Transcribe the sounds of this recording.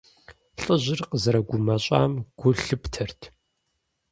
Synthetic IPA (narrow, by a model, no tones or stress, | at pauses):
ɬʼəʑɪrqəzɐɾɐɡʷʊmɐɕʼa̰ːmɡ̥ʷʊɬɨptʰɐrtʰ